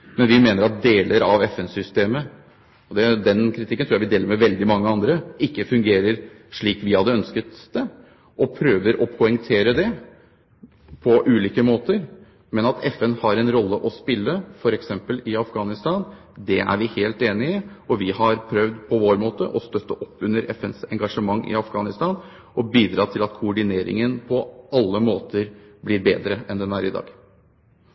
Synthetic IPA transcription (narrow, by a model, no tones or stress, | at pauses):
mɛnʋɪmeːnəɾɑt̪̚d̪eːləɾɑʋɛfɛnsʏst̪eːmə | ɔd̪ɛd̪ɛnkʰɾɪt̪ʰɪkːənt̪ʰɾuːæɪʋɪd̪eːləɾmɛʋɛld̪ɪmɑŋːəɑnd̪ɾəɪkːəfʉŋɡeːɾəɾ | ʂɭiːkʋɪhɑd̪ːəœnskət̪d̪̥ɛ | ʔɔpʰɾøːʋəɾʔɔpʰʊɛŋt̪ʰeːɾəd̪ɛ | pʰɔʔʉːliːkəmoːt̪əɾ | mɛnɑt̪ʰɛfɛnhɑɾɛnɾɔlːəʔɔspɪlːəfɔɾɛksɛmpəlɪɑfɡɑːnɪst̪ɑn | d̪ɛʔæ̰ɾʋɪheːlt̪eːnɪɪɔʋɪhɑɾpʰɾœʋd̪pʰɔʋoːɾmoːt̪əʔɔst̪œt̪ːəʔɔpːʉnːəɾɛ̰fɛnsɛŋɡɑʂəmɑŋːɪ̰ɑfɡɑːnɪst̪ɑːn | ɔbiːd̪ɾɑːt̪ʰɪlɑt̪kʰʊɔɖɪneːɾɪ̰ŋənpʰɔʔɑlːəmoːt̪əɾblɪɾbeːd̪ɾəɛnd̪ɛnæɾɪd̪ɑ̰ːɡ